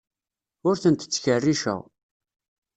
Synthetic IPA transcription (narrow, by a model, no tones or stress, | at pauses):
ʊɾθənt̪ə̥t͡sːçərːiʃə̰ʁ